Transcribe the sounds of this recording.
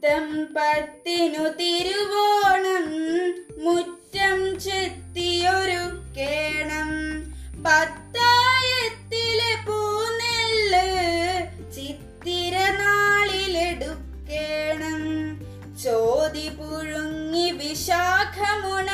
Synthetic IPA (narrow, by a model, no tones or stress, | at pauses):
t̪ɐmpɐɾt̪inut̪iɾuʋoːɳɐmː | uʈːɐmt͡ʃet̪ːijoɾukːeːɳɐm | bɐt̪ːaːjɐt̪ːilepuːnelːɐ | t͡ʃit̪ːiɾɐnaːɭileɖukːeːɳɐm | t͡ʃoːd̪ipuɻuŋːiʋiʃaːkʰɐmunɐ